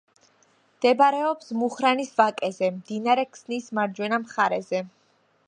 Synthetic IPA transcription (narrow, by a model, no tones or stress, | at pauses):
md̪̥ɛbaɾɛɔpsmuχɾanisvakʼɛzɛmd̪inaɾɛkʰsnismaɾd͡ʒwɛnamχaɾɛzɛ